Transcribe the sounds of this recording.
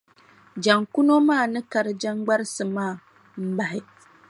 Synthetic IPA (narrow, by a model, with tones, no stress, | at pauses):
d͡ʒa˨ŋku˦no˦maː˦˨nɨ˦ka˨ɾɨ˨d͡ʒa˦ŋɡ͡ba˦ɾsɨ˨maː˦˨ | m̩˦ba˨hɪ˦